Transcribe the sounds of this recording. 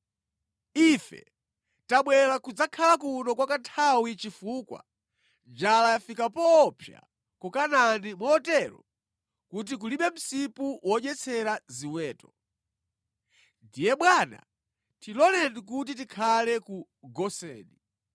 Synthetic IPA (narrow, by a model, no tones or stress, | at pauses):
ifɛ̰ | taɓwɛlakud͡zakʰalakunɔkwakantʰawit͡ʃifukwa̰ | d͡ʒalajafikapɔːpʰja̰ | kukananimɔtɛɾɔ | kut̬ik̬uliɓɛm̩sipuwʔɔɲɛt͡sʰɛɾaziwɛːtɔ | ndijɛɓwana̰ | tilɔlɛndik̬ut̬it̬ikʰalɛku | ɡɔsɛ̰ːni